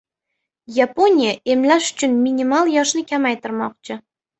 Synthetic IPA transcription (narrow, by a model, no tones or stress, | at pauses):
japʰo̞nʲijaʔe̞mlaʃʊ̥t͡ʃʰʊnminʲimalˠjɒʃnɪkʲʰamajt̪ɪɾmɒq̚t͡ʃʰɪ